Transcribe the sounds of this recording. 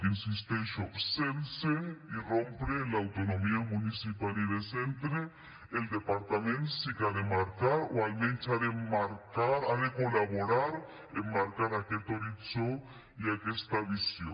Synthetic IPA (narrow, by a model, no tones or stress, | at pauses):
insist̪ensopsenseirompɾelaːwt̪onõmiamũnisipaliðesent̪ɾe | eld̪epaɾt̪amẽnt̪sikaðemaɾkaɾoalment͡ʃaðemaɾkaɾaðekolaβoɾaɾ | ḛmːaɾkaɾaket̪oɾit͡so | iakest̪aβisjo